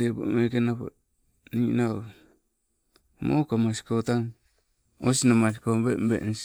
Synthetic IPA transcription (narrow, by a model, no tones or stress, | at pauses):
ebo̰mekenapa̰ | nina | mo̰kamasi̥kot̪aŋ | o̰sinamasikobembḛʔns